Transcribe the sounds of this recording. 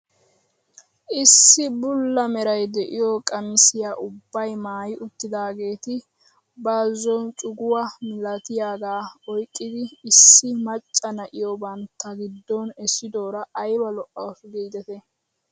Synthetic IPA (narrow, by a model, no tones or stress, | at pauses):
ʔɪsːɪbʊlːɐmɛɾɐjd̪ɛʔɪjokʼɐmɪsɪjaːʔʊbːɐjmaːjɪʔʊt̪ːɪd̪aːɡe̞ːt̪ɪ | baːzɔnt͡ʃʼʊɡʊwɐmɪlɐt̪ɪjaːɡaːɔjkʼːɪd̪ɪːsːɪmɐt͡ʃʼːɐnɐʔɪjɔbɐnt̪ːɐɡɪd̪ːɔnɛsːɪd̪o̞ːɾɐʔɐjbɐlɔʔːɐwɔsɡeːd̪ɛt̪ɛ